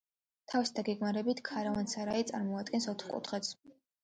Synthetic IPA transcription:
t̪ʰavisd̪aɡɛɡmaɾɛbit̪ʰkʰaɾavansaɾait̪sʼaɾmɔad̪̚ɡɛnsɔt̪ʰχkʼṵt̪ʰχɛt̪s

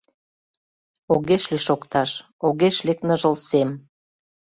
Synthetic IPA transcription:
oɣeʃliʃokt̪ɑʃ | oɣeʃleknəʒə̆lsem

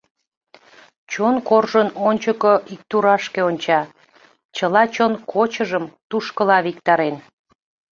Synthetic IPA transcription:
t͡ɕonkorʒənonʲt͡ɕəkoʔik̚t̪uɾɑʃkeonʲt͡ɕɑ | t͡ɕəlɑt͡ɕonkʰot͡ɕəʒəmt̪uʃkəlɑβik̚t̪ɑɾen

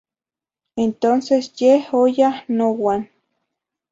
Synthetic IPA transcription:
ent̪onsesjehojahnowan

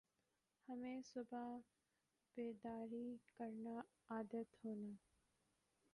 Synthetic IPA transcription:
hɐmẽːsʊbʱa | beːd̪aːɾikəɾna | aːd̪ət̪ɦoːnaː

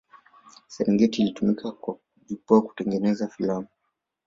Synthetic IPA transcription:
sɛɾɛŋɡɛtiːlitumikʰakwa | ʄipɔaku̥tɛŋɡɛnɛzafilamu

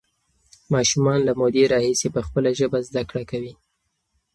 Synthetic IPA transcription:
mɑʃumɑnlamod̪eɾɑhisepəxpəlaʒəbazd̪akɽakawi

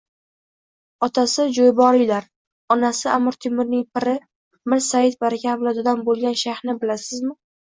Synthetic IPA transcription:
ɒt̪ʰasɪd͡ʒojbɒɾɪjlaɾ | ɒnasɪamɪɾt̪ʰɪmɪɾnɪŋpʰɪɾɪ | mɪɾsajɪt̪̚baɾakʲʰablad̪ʊd̪anbolˠɡʲanʃahnɪbɪlasɪzmɪ

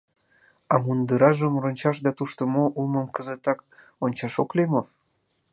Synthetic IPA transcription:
ɑmund̪əɾɑʒəmronʲt͡ɕɑʃd̪ɑt̪uʃt̪əmoʔulmə̆mkəzət̪ɑkonʲt͡ɕɑʃoklemo

